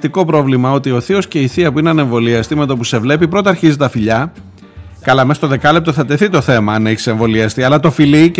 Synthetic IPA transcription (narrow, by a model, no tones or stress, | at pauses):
t̪iko̞pɾo̞vlimɐo̞t̪io̞θio̞sce̞iθiɐpuinɐneɱvo̞liɐst̪ime̞t̪o̞pusevle̞pipɾo̞t̪̬ɐːɾçizit̪ɐfiʎɐ | kɐlɐmest̪oðe̞kɐlep̚t̪o̞θɐt̪e̞θit̪o̞θe̞mɐɐne̞çi̥se̞ɱvo̞liɐst̪iɐlɐt̪o̞fili